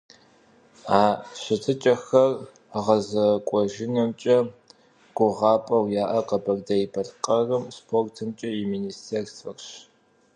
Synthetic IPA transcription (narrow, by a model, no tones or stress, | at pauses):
aːɕɪtʰɨt͡ʃʼɐxɐr | ʁɐzɐkʷʼɔʒɪnɐmt͡ʃʼɐ | ɡ̥ʷʊʁɑːpʼɐwjaːʔɐqɐbɐrdɐjibɐɮqʼɐrɨmspʰortʰɨmt͡ʃʼɐiminiːstʰeːrsfɐrɕ